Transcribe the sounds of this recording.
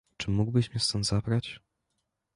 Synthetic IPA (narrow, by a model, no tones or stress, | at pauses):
t͡ʂɘmuɡbɘɕmʲɛst̪ɔnzabɾat͡ɕ